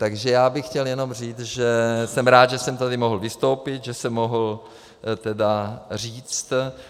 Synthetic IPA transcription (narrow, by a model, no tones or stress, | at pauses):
t̪aɡʒɛjaːbɪxxcɛljɛno̞mr̝iːt͡sʒɛsɛmɾaːt̪ʒɛsɛmt̪adɪmoɦl̩vɪst̪o̞wpɪt̪ʒɛsɛmːoɦl̩ | t̪ɛdar̝iːt͡st̪